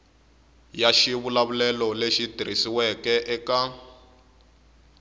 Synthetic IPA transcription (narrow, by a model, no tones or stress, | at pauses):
jaʃiβulaβulɛlɔleʃidʱiɾisiwɛkɛʔɛka